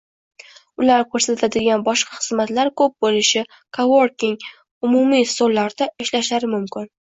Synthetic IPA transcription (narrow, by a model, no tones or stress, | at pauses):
ʊlaɾkʰɵɾsat̪ʰad̪ɪɡʲanbɒʃqʰɑχɨzmat̪laɾkʰɵp̚bolɪʃɪ | kʰowoɾkʲɪŋ | ʊmʊmisolːaɾd̪aɪʃlaʃaɾɪmʊmkʲɪn